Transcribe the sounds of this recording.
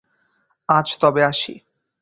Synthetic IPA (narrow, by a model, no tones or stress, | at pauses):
at͡ɕʰt̪ɔbeaʃḭ